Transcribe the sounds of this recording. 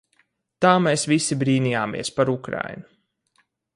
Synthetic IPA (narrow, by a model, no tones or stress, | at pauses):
t̪aːmeːsvisibɾiːnijaːmḭɛspaɾukɾa̰jnu